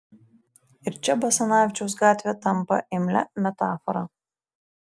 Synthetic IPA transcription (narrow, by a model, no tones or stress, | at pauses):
ɪɾt͡ʃʲɛbɐsɐnɑːʋʲɪt͡ʃʲɛʊs̬ɡɑːt̪ʲʋʲet̪ɐmpɐ̰ʔɪmʲlʲɛ̰mʲɛt̪ɑːfɔɾɑ̰